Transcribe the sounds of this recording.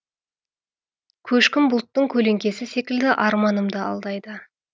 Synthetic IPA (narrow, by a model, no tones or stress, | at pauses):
kʲʰɵʃkʲɪmbʊlˠt̪ːəɴkʲʰɵle̞ŋkʲe̞sɪse̞kʲɪld̪ɪʔɑɾmɑnəmd̪əɑ̰lˠd̪ɑjd̪ə